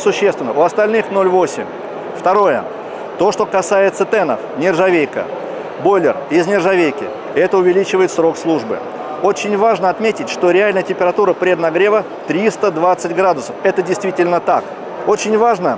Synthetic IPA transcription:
sʊɕːest̪vʲɪnːəʊɐst̪ɐlʲnɨxno̞lʲvo̞sʲɪ̰mʲ | ft̪ɐɾo̞jə̰ | t̪o̞ʂt̪o̞kɐsajɪt̪sət̪ɛnə̰fnʲɪrzɐvʲejkə̰ | bolʲɪrɪznʲɪrzɐvʲejkʲɪ̰ | ɛt̪əʊvʲɪlʲit͡ɕɪvəjɪt̪sɾo̞kslˠuʐbɨ̰ | ot͡ɕɪnʲvaʐnəɐt̪mʲetʲɪtʲʂt̪o̞ɾʲɪalʲnəjətʲɪmʲpʲɪɾɐt̪uɾəpɾʲed̪nɐɡɾʲe̞və | t̪ɾʲist̪əd̪vat̪sɨtʲɡɾad̪ʊsəfɛt̪ədʲɪjst̪vʲitʲɪlʲnət̪ak | o̞t͡ɕɪnʲvaʐnə

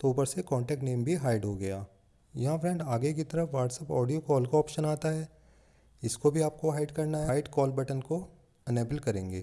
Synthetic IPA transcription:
t̪oupəɾsekɔ̃ːɳʈɛːk̚ʈneːmbʱiɦaːɪɖɦoɡɐjaː | jɐɦãfɾɛ̃ːɳɖaːɡek̬it̪ɐɾəʋaːʈsəpɔːɖijokɔːlkaɔːpʃənaːt̪aɦɛː | ɪskobʱiaːp̚koɦaːɪɖkɐɾnaɦaːɪɖkɔːlbɐʈənko | ɐneːpəlkɐɾẽːŋɡeː

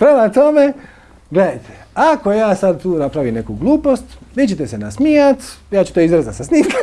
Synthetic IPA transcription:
pɾelat̪ome | ɡle̞d̪ajt̪ʰe̥ako̞jaːsad̪̚t̪uːnapɾaʋimne̞kuɡlˠuːpo̞st̪ʋid͡ʒet̪esenasmiːat̪jaːt͡ʃu̥t̪oizɾezasasniːmkʰa

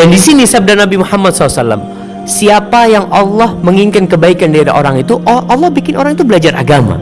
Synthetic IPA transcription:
dandisinisab̚darnabimuhamːat̪sɔlːasalːa̰m | siapajaŋʔɑlːɔhməŋiŋkankəbaikandiada̰ʔoɾaŋit̪uʔʔɑlːɔhbikɪnʔoɾaŋit̪ubəlad͡ʒarʔa̰ɡama̰

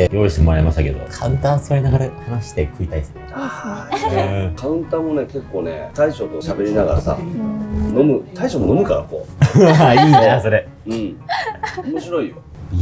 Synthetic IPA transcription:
ejo̞iɕt̪e̞moaɾemaɕt̪ake̞d̪o̞̰kʰaɯ̟̃nt̪ãsoɾenaɡɾehanaɕi̥t̪e̞kɯ̟it̪aisɾ | aɯ̃kaɯ̟̃nt̪ãːo̞ne̞ke̞kːo̞ːnḛt̪aiɕot̪oɕabe̞ɾʲinaɡa̰ɾa̰sa̰ | no̞mɯ̟t̪aiɕomono̞mɯ̟kaɾa̰ko̞̰ːaiːnaso̞ɾe | ɯ̟̃ɴ | omoɕiɾo̞ijo

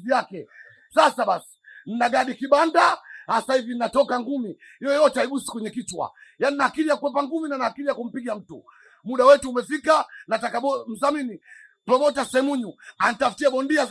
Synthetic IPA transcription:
iakɛ | sasaɓasi̥n̩naɡaɗikiɓandahasahivin̩natɔkaŋɡumi | ijɔjɔtɛaiɓusi̥kwɛɲɛkitwa̰janinahakiɾijakuwɛpaŋɡuminanahakiɾijakum̩piɡam̩tṵ | muɗawɛtuːmɛfikanatakaɓɔm̩zamini | pɾɔmɔtasɛɛmuɲuan̩taftiɛɓɔndia

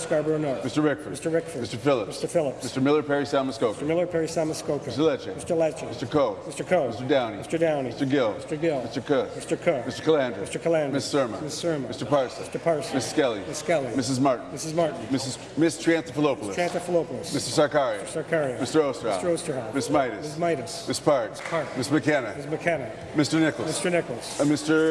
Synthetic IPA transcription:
skɑɹbə˞nɔɹmɪstə˞ɹɪkfə˞mɪstə˞ɹɪkfəɪstə˞fɪlˠəpmɪstə˞fɪlˠəpɪstə˞mɪlˠə˞pʰɛɹisæməskoʊstə˞mɪlˠə˞pʰɛɹisæməskoʊkʰɪstə˞lɛt͡ʃɛmɪstə˞lɛt͡ʃɪmɪstə˞kʰoʊmɪstə˞kʰoʊmɪstə˞dãʊ̃niɪstə˞dãʊ̃niɪstə˞ɡɪlˠɪstə˞ɡɪlˠɪstə˞kʰʊmɪstə˞kʰomɪstə˞kʰəlæ̃ndəmɪstə˞kʰəlæ̃ndmɪssɜ˞mə̃nmɪsɜ˞m̃ɪstə˞pʰɑɹsəstə˞pʰɑɹsmɪsskɛlˠimɪskɛlˠimɪsɨzmɑɹʔn̩mɪsɨzmɑɹʔn̩mɪsɨz̥ | mɪstʰɹ̥æ̃nsəfəloʊpl̩ˠəɹæ̃nsəfəloʊpl̩ˠəsmɪstə˞sɑɹkɛɹiɨsɑɹkʰɛɹiɨmɪstə˞oʊstə˞hsɑ̰tə˞oʊstə˞hɑmɪsmaɪɾɨmɪssmaɪɾɨsmɪspʰɑɹɪspʰɑɹmɪsmɨkʰænɨmɪsmɨkʰænɨ | mɪstə˞nɪkl̩ˠmɪstə˞nɪkl̩ˠsmɪstə˞

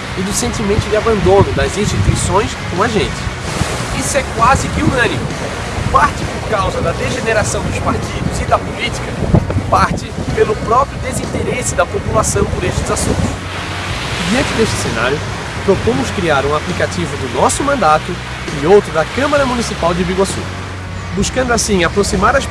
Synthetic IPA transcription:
ɪd̪ʊsẽnt̪imẽnt̪ʊd͡ʒɪabɐ̃nd̪õnʊd̪ɐzĩst̪it̪uisõj̃skõw̃ɐʒẽnt͡ʃɪ̥ | isʊɛkwazɪkɪuɐ̃nĩ | paɾt͡ʃɪpʊɾkawzɐd̪ɐd̪eʒeneɾasɐ̃w̃d̪ʊspaɾt̪id̪ʊzɪd̪ɐpoliti̥kɐpaɾt͡ʃ̪ɪ | pelʊpɾɔpɾjʊd̪ezĩnt̪eɾesɪd̪ɐpopulasɐ̃w̃pʊɾeʃt͡ʃɪzasũt̪ʊ̥s | d͡ʒiɐ̃nt͡ʃɪd̪eʃt͡ʃɪ̥sena̰ɾjʊ | pɾopõmʊskɾiaɾũaplikat͡ʃivʊd̪ʊnɔsʊmɐ̃nd̪at̪ʊ | ɪowt̪ɾʊd̪ɐkɐ̃maɾɐmũnisipawd͡ʒɪbiɡwasṵ | buskɐ̃nd̪ʊasĩapɾosimaɾɐʃ

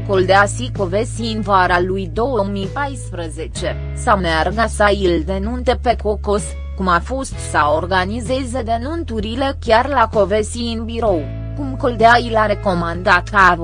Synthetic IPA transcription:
kold̪easiko̞vesiɨnvaɾalujd̪o̞wəmipajspɾəze̞t͡ʃe̞ | sawmearɡasaild̪e̞nunt̪epe̞kokos | kumafo̞st̪saorɡanize̞ze̞d̪e̞nunt̪uɾile̞kʲjarlako̞vesiɨnbiɾo̞w | kumko̞ld̪eailaɾe̞ko̞mand̪at̪kaː

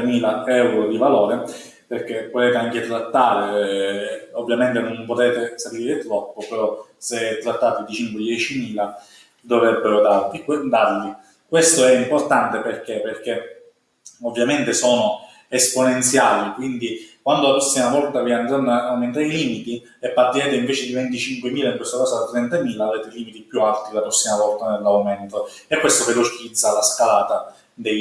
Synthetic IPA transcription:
miːlaɛwɾod̪ivaloːɾe | perk̟epːot̪eːt̪eaŋk̟et̪ɾat̪ːaːɾe | ovːjament̪enompot̪eːt̪esap̪iːɾet̪ɾɔpːopeɾɔseɛt̪ːɾat̪ːaːt̪id̪it͡ʃiŋkwed̪jɛːt͡ʃimiːla | d̪ovɾɛbːeɾod̪aɾliked̪arʎi | kwest̪oɛimport̪ant̪eperk̟eperk̟e | ovːjament̪esɔːno | esponent̪sjaːlikwind̪ikwand̪olapɾɔsːimavɔlt̪aviand̪ɾanaːwment̪aɾiliːmit̪i | epːart̪ːiɾɛːt̪eiɱveːt͡ʃed̪ivent̪it͡ʃiŋkwemiːlaiŋkwest̪okaːsad̪at̪ːɾɛnt̪amiːlaːvɾeːt̪eiliːmit̪ipjualt̪id̪elapɾɔsːimavɔlt̪anelːawmɛnt̪oekːwest̪ovelot͡ʃid̪zːalaskalaːt̪a | d̪ej

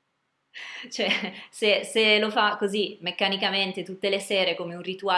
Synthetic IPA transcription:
t͡ʃoɛseselofakozimekːanikament̪et̪ut̪ːelesɛːɾekomeunrit̪ua

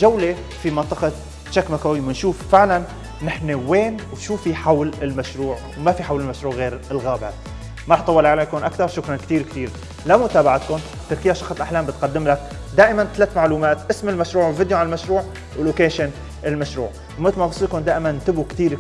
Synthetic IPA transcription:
ʒawle | fimɑnt̪ˤɨqɑ | ʃakːmakawijmɪnʃuːffɪʕlanː | ɪħneweːnwʃuːfiħawlɪlmaʃɾuːʕwmafiħawlɪlmaʃɾuːʕɣeːɾɪlɣaːba | maɾɑħt̪ˤɑwːɑlʔaʕlaːjkuːnʔakt̪ɑɾˤʃʊkɾˤɑnkt̪iːɾk̚t̪iːɾ | lamʊt̪aːbaʕat̪̚kʊn | t̪ɪɾkɪjːaʃɑxsˤɪlʔaħlaːmbɪt̪̚qad̪ːɪmlak | d̪aːʔɪmant̪alaːt̪maʕluːmaːt̪ʔɪsmɪlmaʃɾuːʕwlvɪd̪joʕanalmaʃɾuːʕ | wɪlːokeːʃɪn | ɪlmaʃɾṵːʕ | wmɪt̪lmɑb̪ɑsˤːiːkʊnd̪aːʔɪmannt̪ɪbukt̪iːɾ

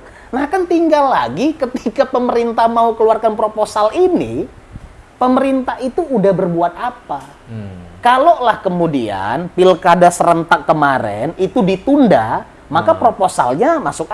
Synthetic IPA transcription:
nahkant̪iŋɡalːa̰ɡikət̪ikapəməɾint̪ahmaukəluarkanpɾoposalinḭ | pəməɾint̪ahit̪uːdahbərbuat̪̚apa | kalolahkəmudia̰npilkadasəɾənt̪akːəmaɾɛ̰nit̪udit̪unda | makapɾoposa̰lɲamasʊk̚

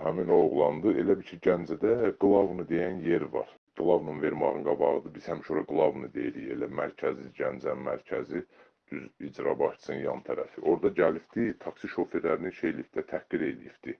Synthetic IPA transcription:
hæmino̞ɣlˠɑnd̪ɯe̞̰læbiɾcʰiɟænd͡ʒæd̪æɡlˠɑvnɯd̪e̞jænje̞ɾvɑ̰ɾ | ɡ̥lˠɑvnɯnve̞ɾmɑ̰ɣɯnɡɑbɑ̰ʁɯd̪ɯbiz̥hæmiʃo̞ɾɑɡlˠɑvnɯd̪e̞̰jiɾije̞̰læmæɾcʰæziɟænd͡ʒæmæ̰ɾcʰæzi | d̪̥yzid͡ʒɾɑ̰bɑʃɯ̥sɯnnjɑ̰nt̪ʰæɾæfiʔo̞ɾd̪ɑɟælipd̪it̪ʰɑksiʃo̞feɾlæɾininʃejliip̚t̪d̪æt̪ʰæhɡiɾe̞̰lḭjibd̪̥i

